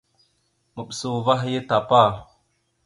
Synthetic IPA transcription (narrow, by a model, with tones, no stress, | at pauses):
mə˨ɓsu˨va˦ɦje˦ta˨pa˦˨